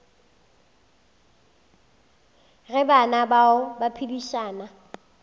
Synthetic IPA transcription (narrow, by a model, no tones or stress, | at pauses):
ɣɛbanabaʊbapʰibiʃaːna